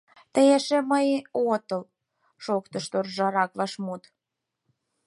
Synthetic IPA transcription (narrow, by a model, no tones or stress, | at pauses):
t̪əjeʃeməjot̪ə̆l | ʃokt̪ə̆ʃt̪orʒɑɾɑklɑʃmut̪